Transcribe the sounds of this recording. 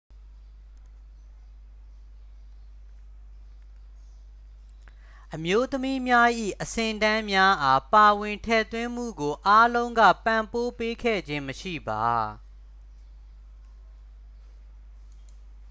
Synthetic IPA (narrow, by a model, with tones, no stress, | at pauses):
ʔəmjo˦t̪əmi˦mja˦ʔḭ˦˨ʔəsɪ̃˨tã˦mja˦ʔa˦pa˨wɪ̃˨ntʰɛ̰˦˨t̪wɪ̃˦m̥ṵ˦˨ɡo˨ʔa˦lõ˦ʊ̃ŋɡä̰˦˨pã˨mpo˦pe˦kʰɛ̰˦˨d͡ʑɪ̃˦məʃḭ˦˨ba˨